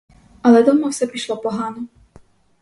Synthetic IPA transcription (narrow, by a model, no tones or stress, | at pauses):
ɐlˠɛd̪ɔmɔwsʲɛpɾʲiʃlˠɔpɔɦanɔ